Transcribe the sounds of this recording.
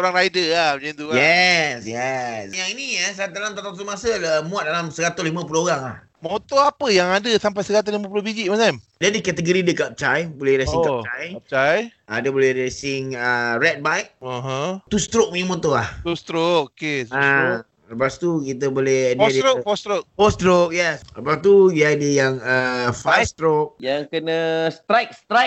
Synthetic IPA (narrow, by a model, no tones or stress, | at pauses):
oɾaŋɾajdəlahəd͡ʒait̪uɛsjɛsjaŋinĩasaat̪̬alamt̪at̪asəmasəəmũat̪̚dalamsəɡat̪olimãpulooɣaŋlah | mot̪oapəjaŋadəsamp̬ajsəɡat̪̬olimãpulobiɡiʔmanamdadikat̪əɡəɾidəkap̚t͡ʃajbolɛhɾesiŋkap̚t͡ʃajp̚t͡ʃaja̰dabolɪhɾesɪŋəɾɛt̪̚bajk̚ɦə̃t̪ust̪ɾok̚muɲəmɔ̃t̪olaht̪ust̪ɾokokea | ləpast̪ukit̪̬əbolehddəɾoɔst̪ɾok̚fɔst̪ɾok̚jɛsləpast̪uiadəjaŋəfast̪ɾok̚jaŋkənəst̪ajk̚st̪ɾajk̚